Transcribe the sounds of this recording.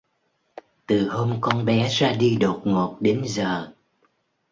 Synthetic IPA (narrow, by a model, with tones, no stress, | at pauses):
t̪ɨ˨˩ho˧mkɔ˧nɓɛ˨˦zaː˧ɗi˧ɗo˨˩t̚ŋo˨˩t̚ɗe˨˦nzəː˨˩